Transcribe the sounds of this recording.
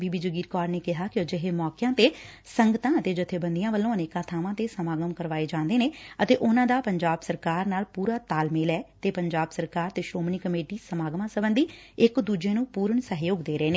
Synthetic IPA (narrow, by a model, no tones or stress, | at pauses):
biːbiːd͡ʒəɡiːɾkɔːɾneːkɪɦaːkɪd͡ʒɪɦeːmɔːkɪjãːt̪eː | səŋɡət̪ãːət̪eːd͡ʒɪt̪ʰːeːbənd̪ijãːʋəlːõːəneːkãːt̪ʰaːʋãːt̪eːsəmaːɡəmkəɾʋaːeːd͡ʒãːnd̪eːneːət̪eːʔʊnãːd̪aːpəɲd͡ʒaːbsəɾkaːɾnaːlpuːɾaːt̪aːlmɪːlɛːt̪eːpəɲd͡ʒaːbsəɾkaːɾt̪eːʃoːmɳiːkəmeːʈiːsəmaːɡmãːsəbənd̪iːɪkd̪uːd͡ʒeːnũːpuːɾəɳsəɦjoːɡd̪eːɾəeːneː